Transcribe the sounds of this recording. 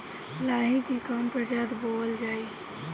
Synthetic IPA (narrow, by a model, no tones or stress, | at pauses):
laːɦikikaːmpəɾd͡ʒaːd̪boːəld͡ʒaːiː